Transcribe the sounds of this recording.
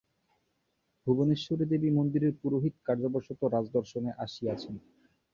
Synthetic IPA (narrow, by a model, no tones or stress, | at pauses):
bʱuboneʃːuɾed̪ebimond̪iɾeɾpuɾoɦit̪kaɾd͡ʑoboɾʃot̪oɾad͡ʑd̪ɔɾʃoneʔaʃiat͡ɕʰen